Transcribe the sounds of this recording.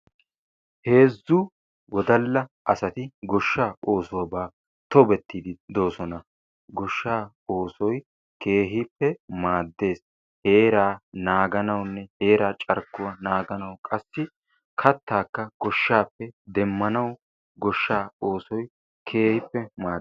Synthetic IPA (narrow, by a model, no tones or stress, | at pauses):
he̞ːzːʊ | wɔd̪ɐlːɐʔɐsɐt̪ɪɡɔʃːaːʔo̞ːsʊwɐbaː | t̪ɔbɛt̪ːid̪ɪd̪o̞ːsɔnɐ | ɡɔʃːaː | o̞ːsɔj | kʰe̞ːɦɪpːɛmaːd̪ːe̞ːs | he̞ːɾaːnaːɡɐnɐwnːɛheːɾaːt͡ʃʼɐɾkːʊwɐnaːɡɐnɐwkʼɐsːɪ | kʰɐt̪ːaːkːɐɡ̥ɔʃːaːpːɛd̪ɛmːɐnɐw | ɡɔʃːaːoːsɔj | kʰe̞ːhɪpːɛmaː